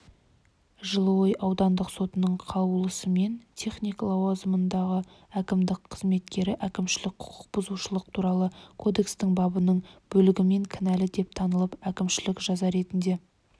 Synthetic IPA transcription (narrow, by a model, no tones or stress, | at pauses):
ʒəlˠəwojʔɑwd̪ɑnd̪əqso̞t̪ənəɴqʰɑəlˠəsəme̞nt̪ʲʰe̞χnijklˠɑwɑzəmənd̪ɑʁə | ækʲɪmd̪ɪkqʰəzme̞t̪kʲe̞ɾɪʔækʲɪmʃɪlɪk̚qʰʊ̥qʰə̥q̚bʊzuʃəlˠəq̚t̪ʰuɾɑlˠəkʰo̞d̪e̞kst̪ɪŋbɑbənəɴb̥ɵlɪɡʲɪme̞ŋkʲʰɪnælɪd̪e̞p̚t̪ʰɑnəlˠəpækʲɪmʃɪlɪkʒɑzɑɾe̞t̪ɪnd̪e̞